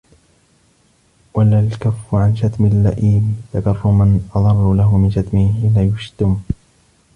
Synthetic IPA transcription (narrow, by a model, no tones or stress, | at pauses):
walaːlkafːʊʕanʃat̪mɪlːaʔiːmt̪akɑrˤːʊmanʔɑðˤɑrˤːʊlaɦʊmɪnʃat̪mɪhhiːnajʊʃt̪ʊm